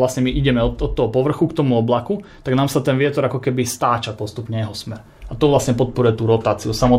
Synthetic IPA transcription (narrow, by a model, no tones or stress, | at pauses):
lasɲɛmiʔiɟɛmɛɔɔt̪ːɔɦɔpɔʋr̩xukt̪ɔmuɔblakut̪aɡnaːmsat̪ɛnʋɪɛt̪ɔɾakɔkɛbist̪aːt͡ʃapɔst̪upɲɛjɛɦɔsmɛɾ | at̪ɔʋlasɲɛpɔt̪̚pɔɾujɛt̪uːɾɔt̪aːt͡siusamɔ